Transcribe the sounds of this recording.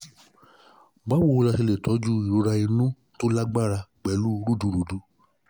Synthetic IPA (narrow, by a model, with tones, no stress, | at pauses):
ɡ͡ba˦wo˧˨o˧la˧se˧le˨tɔ˨˦d͡ʒu˦i˨ɾo˨˧˦ɾa˧i˧nũ˦ | to˦la˦ɡ͡ba˦˨ɾa˧ɡ͡bɛ˨˦lu˦˧˦ɾu˦˨du˧˨ɾu˨˦du˦